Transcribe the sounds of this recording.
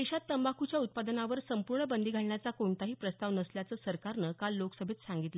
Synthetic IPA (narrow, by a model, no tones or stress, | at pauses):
d̪eɕat̪ːəmbakʰut͡ɕjaut̪̚pad̪ənaʋəɾsəmpuɾɳəbənd̪ʱiɡʱaɭɳjat͡sakoɳt̪aɦiːpɾəst̪aʋnəsljat͡səːsəɾkaɾnəkalːoksəbʱet̪saŋɡit̪lə